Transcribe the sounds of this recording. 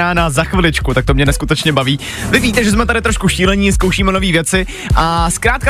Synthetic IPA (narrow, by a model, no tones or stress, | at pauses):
aːnazaxvɪlɪt͡ʃkut̪akt̪o̞mɲɛnɛskut̪ɛt͡ʃɲɛbaviː | vɪviːt̪ɛʒɛzmɛt̪adɪt̪ɾo̞ʃkuʃiːlɛɲɪskowʃiːmɛno̞viːvjɛt͡sɪ | ʔaskɾaːt̪ka